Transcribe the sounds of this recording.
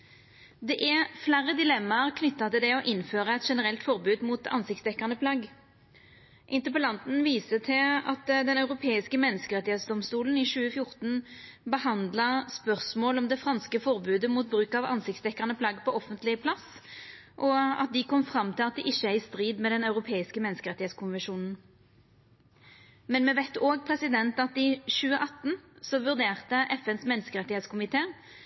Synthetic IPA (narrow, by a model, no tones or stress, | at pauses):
d̪ɛʔæʁflæːɾːəd̪ɪlɛmːɑɾkʰnʏt̪ːɑt̪ɪld̪ɛɔʔɪnːføːʁəɛt̪ʂɛnəʁɛlt̪fɔʁbʉːd̪muːt̪ɑ̰nsɪkt̪sd̪ɛkːɑʁnəpʰlɑɡ | ʔɪnt̪əpəlɑnt̪n̩ʋiːsət̪ʰɪlɑ̰t̪d̪ɛnɑʉʁʊpʰeːɪskəmɛnːəskəʁɛt̪ɪheːt̪sd̪ɔmst̪uːlənɪʃʉːəfjʊʁt̪n̩bəhɑnd̪lɑspœʁsmoːlɔmd̪ɛfʁɑnskəfɔʁbʉːd̪əmuːt̪̚bʁʉːkɑʋɑ̰nsɪkt̪sd̪ɛkːɑʁnəpʰlɑːɡəpʰɔɔfənt̪lɪpʰlɑs | ʔɔɑ̰t̪̚d̪ɪkʰɔmfʁɑmːt̪ʰɪlɑt̪̚d̪ɪʔɪçːəæɪst̪ʁiːd̪mɛd̪ɛnɑʉʁʊpʰeːɪskəmɛnəskəʁɛt̪ːɪheːt̪skʊnʋɛnʂuːnn̩ | mɛnmɛʋɛt̪ːoːɡ̚pʰʁɛsɪd̪ɛnt̪ɑt̪ɪʃʉːəʔɑt̪ːnsɔʋʉʁd̪eːʁt̪əʔɛfɛnsmɛnːəskəʁɛt̪ːɪheːt̪skʰʊmɪt̪ʰeː